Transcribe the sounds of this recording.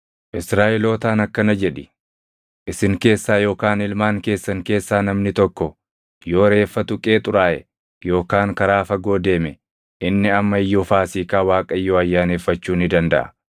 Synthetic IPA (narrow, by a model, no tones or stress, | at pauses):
ʔɪsɾaːʔɪlo̞ːt̪aːnɐkːɐnɐd͡ʒɛᶑɪ̥ | ʔɪsɪŋke̞ːsːaːjo̞ːkaːnɪlmaːŋke̞ːsːɐŋke̞ːsːaːnɐmnɪt̪ɔkːɔ | jo̞ːɾe̞ːfːɐt̪ʊkʼe̞ːt̪ʼʊɾaːʔɛ̰ | jo̞ːkaːŋkɐɾaːfɐɡo̞ːd̪e̞ːmɛ | ʔɪnːɪɐmːɐɪjːofaːsiːkaːwaːkʼɐɪjːoːɐjːaːneːfːɐt͡ʃːuːnɪd̪ɐnd̪ɐ̰ʔɐ̰